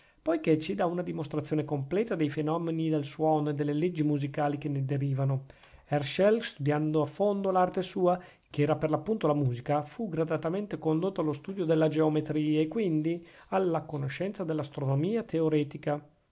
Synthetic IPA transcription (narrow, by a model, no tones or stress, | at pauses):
pojket͡ʃid̪aunad̪imost̪ɾat̪sjoːnekomplɛːt̪ad̪ejfenɔmenid̪elswɔːnoed̪elːeled͡ʒːimuzikaːlik̟ened̪eɾiːvano | ɛrʃɛlst̪ud̪jand̪oafond̪olart̪esuːa | keɛːɾaperlapːunt̪olamuːzikafuɡɾad̪at̪ament̪ekond̪ot̪ːoalːost̪uːd̪jod̪elːad͡ʒeomet̪ɾiːaekːwind̪ialːakonoʃɛnt̪sad̪elːast̪ɾonomiːat̪eoɾɛːt̪ika